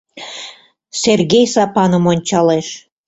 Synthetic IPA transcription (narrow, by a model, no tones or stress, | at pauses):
serɣejsɑpɑnə̆monʲt͡ɕɑleʃ